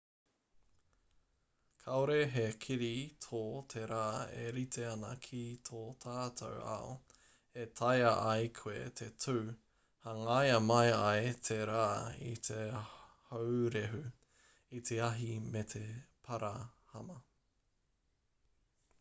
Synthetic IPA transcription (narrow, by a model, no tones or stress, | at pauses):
kʰaoɾeɦekʰiɾit̪ʰoːt̪ʰeɾaːḛɾit̪ʰeɐnɐ̰kʰit̪ʰoːt̪ʰaːtʰo̰wa̰o̰ | et̪ʰajɐʔajkʰwḛt̪ʰetʰʉː | hɐŋajɐmɐjajt̪ʰeɾaːḭt̪ʰe | howɾeɦʉ | it̪ʰeɐɦimet̪ʰepʰɐɾahɐmɐ